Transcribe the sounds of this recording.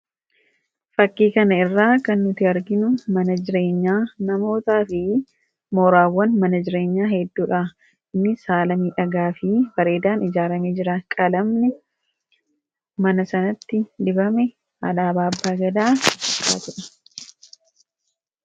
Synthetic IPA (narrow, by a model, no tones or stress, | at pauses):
fɐkːiːkɐnɐɪrːaːkɐnːʊt̪ɪɐɾɡɪnʊmɐnɐd͡ʒɪɾe̞ːɲːaːnɐmo̞ːt̪aːfɪ | moːɾaːwːɐnmɐnɐd͡ʒɪɾe̞ːɲːaːɦɛd̪ːuːᶑaː | ɪnːɪsaːlɐmiːᶑɐɡaːfɪfɐɾe̞ːd̪aːnɪd͡ʒaːɾɐmeːd͡ʒɪɾɐkʼɐlɐmnɛ | mɐnɐsɐnɐt̪ːɪd̪ɪbɐmɛ | ɐlaːbaːbːaːɡɐd̪aːfɐkːa̰ːt̪ʊᶑɐ̥